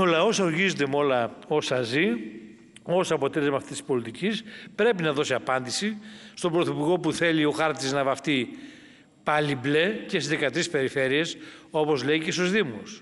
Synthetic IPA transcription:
o̞lɐo̞soɾʝizond̪e̞mo̞lɐo̞sɐzi | o̞sɐpot̪ele̞zmɐft̪isi̥spo̞lit̪icispɾe̞pinɐðo̞siɐpɐnd̪isist̪o̞bɾoθipuɾɣo̞puθe̞lio̞xɐɾt̪iznɐvɐft̪i | pɐlible̞cesizðikɐt̪ɾispe̞ɾife̞ɾie̞so̞po̞zle̞icesozðimos

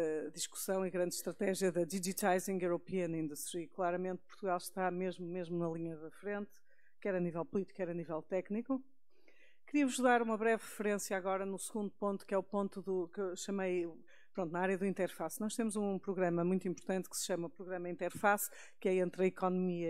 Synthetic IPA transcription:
ðiʃku̥sɐ̃w̃iɣɾɐ̃nd̪ʃt̪ɾɐt̪ɛʒjɐðɐðiʒit̪ajzĩŋɡuɾupiɐnĩnd̪uʃt̪ɾiklˠaɾɐmẽnt̪̚puɾt̪uɣalˠʃt̪ameʒmumeʒmunɐlˠiɲɐðɐfɾẽnt̪ | kɛɾɐnivɛlˠpulˠit̪i̥kɛɾɐnivɛlˠt̪ɛkniku | kɨɾiɐvuʒðaɾumɐβɾɛvʁɨfɨɾẽsjaɣɔɾɐnusɨɣũnd̪upõnt̪u̥kɛupõnt̪uðukewʃɐmej | pɾõnt̪unɐaaɾjɐðuĩnt̪ɛɾfasnɔʃt̪emuzũpɾuɣɾɐmɐmũj̃t̪uĩmpuɾt̪ɐ̃nt̪kɨ̥sɨ̥ʃɐmɐupɾuɣɾɐmɐĩnt̪ɛɾfas | kɛẽnt̪ɾɐikɔnumiɐ

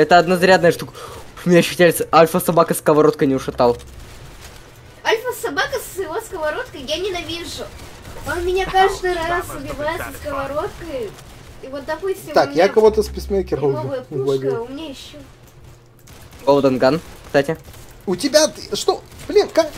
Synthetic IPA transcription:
ɛt̪əɐd̪nɐzɾʲad̪nəjəʂt̪ukmʲɪnʲajɪɕːo̥tʲlʲɪsəalʲfəsɐbakəskəvɐɾo̞t̪̚kəjnʲɪʊʂɨt̪alˠ | alʲfəsɐbakəsɪvoskəvɐɾo̞t̪kəjjanʲɪnɐvʲiʐʊ | onmʲɪnʲakaʐd̪ɨjɾassʊbʲɪvajɪt̪səskəvɐɾo̞t̪kəj | ivo̞t̪̚d̪ɐpusʲtʲɪt̪akkjakɐvot̪əspʲɪsʲmʲekʲɪronovɨjɐpɡɐdkʲilʊmʲɪnʲajɪɕːo | ɡolˠd̪ənɡankst̪atʲɪʊtʲɪbʲat̪ɨʂt̪ob̥lʲinkak

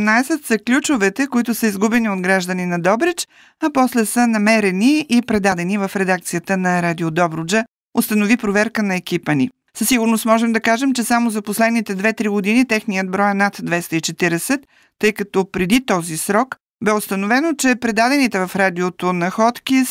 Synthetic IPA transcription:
naɛsɛt̪sɐklʲut͡ʃʊvɛt̪ɛkoit̪ʊsəizɡubɛniod̪ɡɾaʒd̪əninɐd̪ɔbɾɛt͡ʃ | ɐpɔslɛsənɐmɛɾɛniːpɾɛd̪ad̪ɛnivəfɾɛd̪ak̚t̪sijət̪ənɐɾad̪iod̪ɔbɾʊd͡ʒə | ost̪ənovipɾovɛɾkənɐɛkipəni | sɐsiɡʊɾnost̪mɔʒɛmd̪ɐkaʒɛmt͡ʃɛsamozɐposlɛd̪nit̪ɛd̪vɛt̪ɾiɡod̪init̪ɛxnijəd̪̚bɾɔjnat̪d̪vɛst̪əit͡ʃɛt̪iɾɛsɛt̪ː | ɤjkɐt̪ɔpɾɛd̪it̪ɔzisɾɔk | bɛost̪ɐnovɛnot͡ʃɛpɾɛd̪ad̪ɛnit̪ɛvɐfɾad̪iot̪onɐxɔt̪kʲi

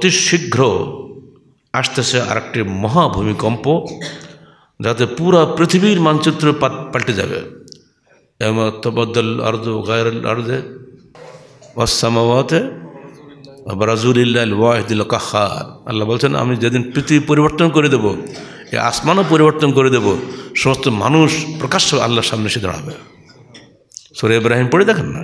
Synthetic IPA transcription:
ot̪iʃiɡʱɾo | aʃt̪esʰea̰ɾek̚ʈimɔɦabʱumikɔmpo | d͡ʒat̪̬epuɾapɾit̪ʰibiɾmant͡ʃit̪ːɾopalʈed͡ʒa̰bḛ | emɐt̪ɐbɐd̪ːɔlɐ̰ɾd̪oɣɛjɾɐlɐ̰ɾd̪e | wɐsːɐmawaːt̪e | bɾɐzulilːalwaːɦid̪elkɐhːa̰ɾɐ̰lːabolt͡ʃʰena̰mid͡ʒed̪inpɾit̪ʰibipoɾiboɾt̪ɔnkoɾed̪ebo | ḛa̰smanop̬oɾiboɾt̪ɔnkoɾed̪eboʃɔmɔst̪oma̰nuʃpɾɔkaʃoa̰lːaɾʃamneʃid̪ɔ̰ɽ̃a̰bḛ | soɾeibɾaɦimpoɽid̪ɛkʰenːa̰

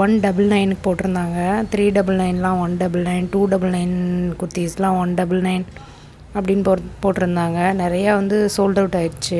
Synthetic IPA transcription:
ʋɐnɖɐbɯlnɐɪnkːɯpoːʈːɪɾɯnd̪aːŋɡɐt̪ɪɾiːɖɐbɯlnɐɪnlãːʋɐnɖɐbɯlnɐɪnʈuːɖɐbɯlnɐɪnkʊɾt̪ːiɐslãːʋɐnɖɐbɯlnɐɪn | ɐpːɐɽɪnːpːpoːʈːɪɾɯnd̪aːŋɡɐnɪɾɐjaːʋɐnd̪ɯsoːlɖɐʋʈːaːɪɾɯt͡ʃːɯ

